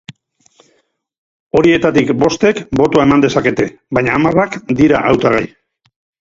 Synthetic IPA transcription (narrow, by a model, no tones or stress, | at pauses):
o̞ɾie̞t̪at̪ikbo̞st̪e̞kbo̞t̪oaemand̪e̞sake̞t̪e̞ | bajɲaːmarakd̪iɾaʔawt̪aɣa̰j